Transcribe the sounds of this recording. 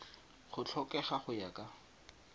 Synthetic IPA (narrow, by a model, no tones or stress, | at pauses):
χʊt͡ɬʰɔkɛχaχʊjakʼa